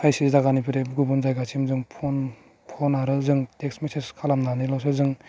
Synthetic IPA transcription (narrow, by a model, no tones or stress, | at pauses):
pʰajsizdaɡanipʰiɾeɡubunzajɡat͡ʃʰimzɯŋpʰɔn | pʰɔnaɾɯzɯŋteksmiseskʰalamnanilɔs̬ɯzɯŋ